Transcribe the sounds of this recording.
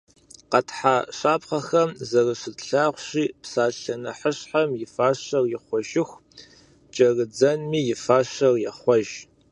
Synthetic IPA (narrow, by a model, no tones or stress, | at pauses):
qɐtʰħaːɕaːpχɐxɐmzɐrɨɕɨtɬaːʁʷɕiːpsaːɬɐnɐħəɕħamjɪfaːɕɐrjɪχʷɔʒɪxʷ | t͡ʃʼɐrɨd͡zɐnmiːjɪfaːɕɐrjɛχʷɔʒ